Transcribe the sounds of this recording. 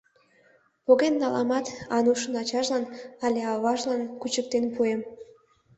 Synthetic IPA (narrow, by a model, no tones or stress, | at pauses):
poɣenːɑlɑmɑt̪ɑnuʃənɑt͡ɕɑʒlɑnɑlʲeɑβɑʒlɑnkut͡ɕək̚t̪enpuem